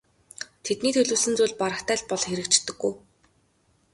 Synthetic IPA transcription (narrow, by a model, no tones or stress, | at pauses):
t̪ʰet̪niːt̪ʰɵɮɵ̆ːsɘ̆nt͡suːɮʲpaɾə̆χt̪æːɮpɔɮxeɾɘ̆kt͡ɕt̪ːɘ̆ɡːuj